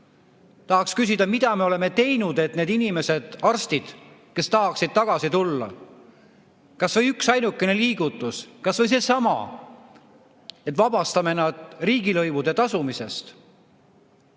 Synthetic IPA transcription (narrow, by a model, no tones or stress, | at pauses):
t̪ɑɦɑkskys̬id̪̥ɑmid̪̥ɑmeo̞le̞me̞t̪e̞jnud̪̥e̞t̪ne̞ːd̪inime̞se̞d̪̥ɑrst̪id̪̥ke̞st̪ɑɦɑksid̪̥̚t̪ɑɡ̥ɑsit̪ulːɑ̰ | kɑsvɤjyksɑjnukːˑe̞ne̞liːɡ̥ut̪ːˑuskɑsvɤ̞jse̞sɑmɑ̰ | et̪ːˑvɑb̥ɑst̪ɑme̞nɑd̪̥riːɡ̥ilɤjvud̪̥e̞t̪ɑsumise̞st̪